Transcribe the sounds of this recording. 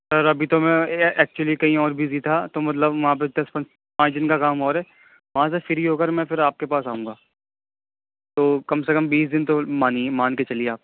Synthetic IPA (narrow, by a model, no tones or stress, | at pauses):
sɐɾɐbʱit̪omɛ̃ɛːk̚t͡ʃuəlikɐɦĩɔːɾbʱizit̪ʰat̪omɐt̪̬ləbʋɐɦãp̬ed̪ɐspɐ̃t͡ʃ | pãːt͡ʃd̪ɪnkakaːmɔːɾɦɛː | ʋɐɦãs̬efɪɾiɦoːkɐɾmɛ̃pɪɾaːp̚kepaːsaːɦũːŋɡaː | t̪oːkɐmsekɐmbiːsd̪ɪnt̪omaːnimaːnket͡ʃɐlieaːp̚